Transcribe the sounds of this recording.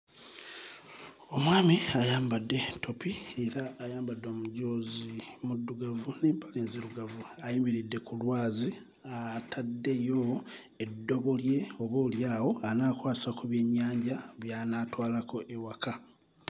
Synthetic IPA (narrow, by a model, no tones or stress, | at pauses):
o̞mwaːmiajaːmbadːe̞to̞pie̞ɾaːjaːmbadːomuɟo̞ːzimudːuɡavuneːmpaleːnziɾuɡavuajimiɾidːe̞kulwaːzi | atʰadːe̞jo | edːo̞βo̞lje̞o̞βo̞ːljaːwo̞anaːkwaːsakuβjeɲːaːɲɟaβjaːnaːtwaːlako̞ʔewaka